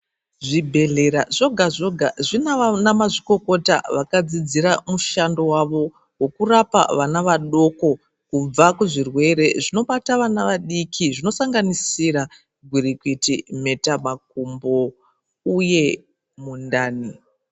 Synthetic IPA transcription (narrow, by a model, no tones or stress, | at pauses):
ʐibʱe̞ɮe̞ɾaʐo̞ɡʱaʐo̞ɡʱaʐinanamaʐiko̞ko̞ta̰ʋakad͡zid͡ziɾamuʃando̞waʋo̞ | wo̞kurapa̰ʋanaʋaɗo̞ko̞ | kub͡vakuʐirwe̞ɾe̞ʐino̞ɓataʋanaʋaɗikʰiʐino̞saŋɡanisira | ɡʱwiɾikwitime̞tamak̚umbo̞ | uje̞ | mundaːni